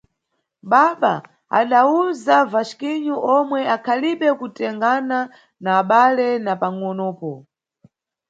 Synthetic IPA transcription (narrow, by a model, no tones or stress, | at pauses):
ɓaɓa | a̰ɗauzavaʃkiɲuʔɔmwɛakʰaliɓɛkutɛŋɡana | naːɓalɛnapaŋɔnɔːpɔ